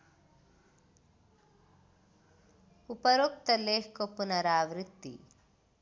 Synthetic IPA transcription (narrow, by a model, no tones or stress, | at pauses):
upɐɾok̚t̪ɐleːkkopunɐɾaːʋɾit̪ːḭ